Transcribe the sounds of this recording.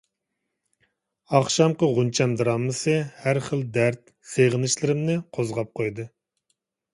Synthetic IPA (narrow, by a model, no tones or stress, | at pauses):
ɑχʃɑmqəʁunt͡ʃʰɛmd̪ɨɾɑnːɨsɨhæɾχəld̪æɾt̪̚ | seʁɨnɨʃlˠɨɾɪmnɨqʰozʁɑp̚qʰojd̪ɨ